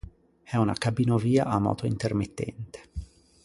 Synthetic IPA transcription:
ɛuna̰kabinoviːa̰ʔamɔ̰ːt̪oint̪ermit̪ːɛ̰nt̪e̥

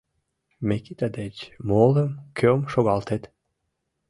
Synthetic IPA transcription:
mekit̪ad̪et͡ɕmoləmkʰømʃoɣɑlt̪et̪

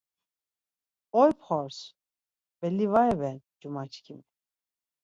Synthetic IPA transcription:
ɔjpʰχɔɾs | bɛlːivaɛvɛd͡ʒumat͡ʃʰkʰimi

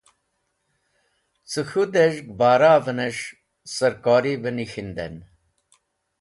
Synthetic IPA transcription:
t͡sɨxud̪eʒɡbaːɾaːvəneʂ | sɐɾkoːɾibənixind̪ḛn

